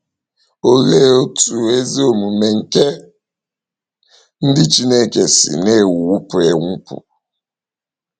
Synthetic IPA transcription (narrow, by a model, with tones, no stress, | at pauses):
o˨le˦o˦tu˨e˦zi˦o˨mu˨me˨ŋ̩˨ke˦ | n̩˦dɪ˦t͡ʃi˦ne˦ke˨sɪ̰˨ne˦˨wu˦pʊ˨e˨ŋʷʊ˦pʊ̰˨